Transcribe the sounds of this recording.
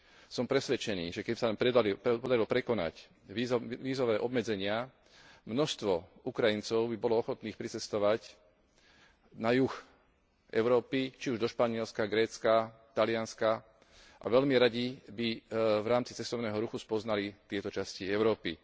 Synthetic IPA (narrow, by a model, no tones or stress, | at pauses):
sɔmpɾɛsʋɛt͡ʃɛnḭːʒɛkɛbisaaɛpɔd̪aɾilɔpɾɛkɔna̰c | iʋiːzɔʋɛːʔɔbmɛd͡zɛɲɪa | mnɔʃst̪ʋɔukɾajint͡sɔʊbibɔlɔɔxɔt̪niːxpɾit͡sɛst̪ɔʋac | najux | ʔɛʊɾɔːpit͡ʃiuʒd̪ɔʃpaɲɪɛlskaɡɾɛːt͡skat̪alɪanska | ʔa̰ʋɛʎmiɾaɟibivɾaːmt͡si̥t͡sɛst̪ɔʊnɛːɦɔɾuxuspɔznalit̪ɪɛt̪ɔt͡ʃasciɛʊɾɔːpi